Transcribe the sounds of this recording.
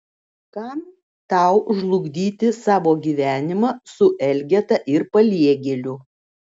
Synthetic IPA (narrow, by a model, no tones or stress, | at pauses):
kɐm | t̪ɑˑʊʒlˠʊɡd̪ʲiːt̪ʲɪsɑːʋoːɡʲiːʋʲæːnʲɪmɐsʊʔɛlʲɡʲɛt̪ɐʔɪɾpɐlʲiɛɡʲɛlʲʊ